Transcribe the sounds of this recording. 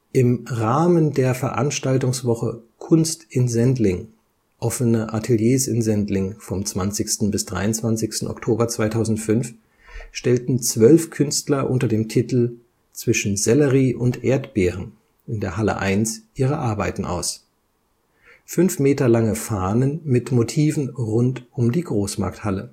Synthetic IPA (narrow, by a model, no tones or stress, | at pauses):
ʔɪmʁaːməndeːɐfɛɐʔa̰nʃtaltʊŋsv̥ɔχəkʰʊnstʔɪnzɛntlɪŋ | ʔɔfənəʔatʰeljeːsɪnzɛntlɪŋfɔmt͡sv̥ant͡sɪçstn̩bɪsd̥ʁa̰ɪʊnt͡sv̥ant͡sɪçstn̩ɔ̰ktʰoːbɐt͡sv̥aɪtʰaʊzn̩tfʏnf | ʃtɛltn̩t͡sv̥œlfkʰʏnstlɐʔʊntɐdeːmtʰitl̩ | t͡sv̥ɪʃn̩zɛləʁiːʔʊntʔeːɐtb̥eːʁən | ʔɪndeːɐhalə̰ʔa̰ɪnsʔiːʁəʔaɐbaɪtn̩ʔa̰ʊs | fʏnfmeːtɐlaŋəfaːnənmɪtmotʰiːvn̩ʁʊntʔʊmdiːɡʁoːsma̰ɐk̚thalə